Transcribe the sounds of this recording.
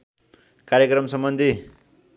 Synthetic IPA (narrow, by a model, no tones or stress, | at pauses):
kaɾjʌkrʌmsʌmbʌnd̪ʱi